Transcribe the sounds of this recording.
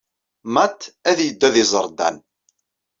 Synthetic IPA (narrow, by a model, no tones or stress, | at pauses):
mæt̪ːæðjəd̪ːæðɪzˤəɾˤd̪æ̰n